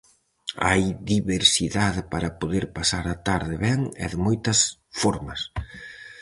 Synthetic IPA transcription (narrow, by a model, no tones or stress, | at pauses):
a̰jðiβeɾsiðaðɪpaɾɐpoðeɾpasaɾat̪aɾðɪβɛŋɛ̰ðɪmojt̪ɐsfɔɾmɐs